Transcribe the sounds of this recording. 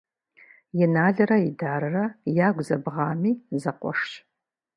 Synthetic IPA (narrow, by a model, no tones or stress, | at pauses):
jɪnaːɮɐɾɐidaːɾɨrɐjaːɡʷzɐbʁɑːmiːzɐqʷɔ̰ʂɕ